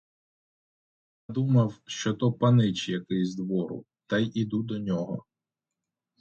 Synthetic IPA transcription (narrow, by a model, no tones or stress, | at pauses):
j | ad̪umɐwʃt͡ʃɔt̪ɔpɐnɪt͡ʃjɐkɪzʲd̪ʋɔɾʊ̰ | t̪ɐjʔid̪ud̪ɔnʲɔɦɔ̰